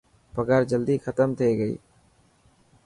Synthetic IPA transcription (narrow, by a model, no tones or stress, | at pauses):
pəɡəɾd͡ʒəld̪ikʰət̪əmt̪ʰeːɡəḭː